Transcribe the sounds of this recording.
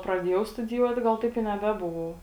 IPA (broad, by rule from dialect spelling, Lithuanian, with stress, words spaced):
prɐˈdʲiɛjɛʊ stʊdʲɪˈjuɔt ˈɡɐlˠ ˈtɐɪp ɪ nʲɛˈbʲæːbʊʋɐʊ